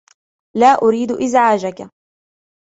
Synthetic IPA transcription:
laːʔʊɾiːd̪ʔɪzʕaːd͡ʒaka

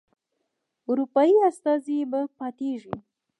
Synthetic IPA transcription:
uɾupɑjiast̪ɑzibapɑt̪eʐi

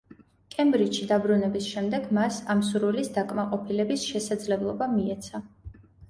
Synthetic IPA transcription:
kʼɛmbɾit͡ʃʃid̪abɾunɛbisʃɛmd̪ɛɡmasamsuɾilisd̪akʼmaqʼɔpʰilɛbisʃɛsad̪zlɛblˠɔbamiɛt̪sʰa

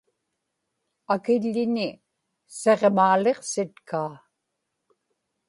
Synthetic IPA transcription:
akɪʎːɪnɪ | se̞ʁmaːle̞qsɪt̪kʰaː

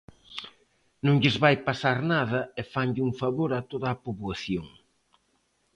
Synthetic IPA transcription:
nõŋʎɪzβajpasaɾnaðɐefaɲʎuŋfaβoɾat̪oðɐːpoβwaθjoŋ

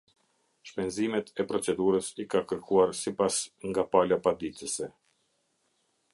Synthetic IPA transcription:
ʃpɛnzimɛt̪ʰɛpɾɔt͡sɛd̪uɾəsikakəɾkuaɾsipasŋɡapalapad̪it̪əsɛ

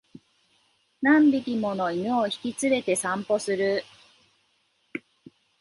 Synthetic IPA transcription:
nãmbʲikʲimo̞no̞imeoçi̥kʲit͡sɨbe̞t̪e̞sãmpo̞sɨɾɯ

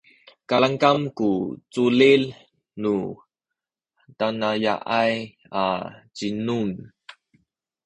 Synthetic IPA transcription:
kalaŋkamkut͡sulil | nu | tanaja̰ʔaj | a̰t͡ɕinun

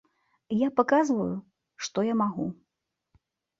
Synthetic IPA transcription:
japakazvɐju | ʂt̪ɔjamaɣu

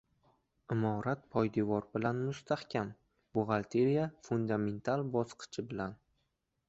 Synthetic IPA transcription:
ɪmɒɾat̪̚pʰɒjd̪ɪvɒɾbɪlanmʊst̪ʰahkʲʰam | bʊʁalt̪ʰe̞ɾijafʊnd̪ame̞nt̪ʰalˠbɒsqʰɨ̥t͡ʃʰɪbɪlan

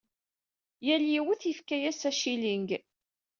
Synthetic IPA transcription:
jæljiwəθifkæjæsæʃiliŋɡ

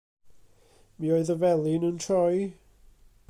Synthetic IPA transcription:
miːoɨðəvɛlˠɪnuntʰrɔj

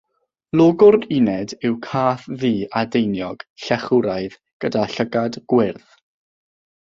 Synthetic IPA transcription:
lˠɔːɡʊrɪnɛdɪwkʰaːθðiːadejnjɔɡ̥ɬɛχʊɾajð | ɡ̥ədaɬəɡadɡ̥wɪrθ

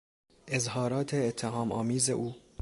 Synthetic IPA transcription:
ʔezɦɒːɾɒːt̪ʰeːt̪ʰːeɦɒːmɒːmiːzḛʔuː

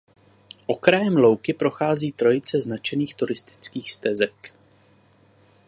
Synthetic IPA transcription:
ʔo̞kɾajɛmlo̞wkɪpɾo̞xaːziːt̪ɾo̞jɪt͡sɛznat͡ʃɛniːxt̪uɾɪst̪ɪ̥t͡skiːxst̪ɛzɛk

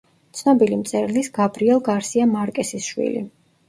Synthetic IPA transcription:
t̪sʰnɔbilimt̪sʼɛɾlisɡ̥abɾiɛlˠɡaɾsiamaɾkʼɛsisʃwḭlḭ

